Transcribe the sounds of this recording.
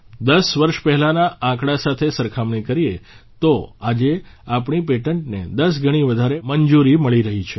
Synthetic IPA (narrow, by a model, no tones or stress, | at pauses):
d̪əsʋəɾʃpɛɦlanaʔãkɽasat̪ʰesəɾkʰamɳikəɾijet̪oad͡ʒeapɳipeʈəɳʈned̪əs̬ɡʱəɽ̃iʋəd̪ʱaɾeməɲd͡ʒuɾiməɭiɾəɦit͡ʃʰe